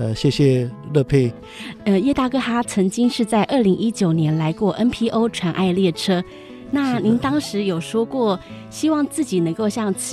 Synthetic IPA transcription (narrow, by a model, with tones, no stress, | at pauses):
ə˧ɕjɛ˥˩ɕjɛ˨˩lɤ˥˧pʰe˥˩ɪ | ə˧jɛ˥˧t̪a˥˩kɤ˥xa˥t͡sʰɤ˧˥ŋt͡ɕi˥ŋʂɻ̩˥˧t͡sa˥˧ɪʔə˞˥˩li˧˥ŋʔi˥t͡ɕjo˨˩ʊnjɛ˧˥nla˧˥ɪkwɔ˥˩ʔə˥npʰi˥ʔo˥ʊʈ͡ʂʰwa˧˥nʔa̰˥˧ɪljɛ˥˩ʈ͡ʂʰɤ˥ | na˥˩ni˧˥ŋt̪ɑ˥ŋʂɻ̩˧˥jo˨˩ʊʂwɔ˥kwɔ˥˩ | ɕi˥wɑ˥˧ŋt͡sɹ̩˥˩t͡ɕi˨˩nə˧˥ŋko˥˧ʊɕjɑ˥˩ŋt͡ɕʰi˨˩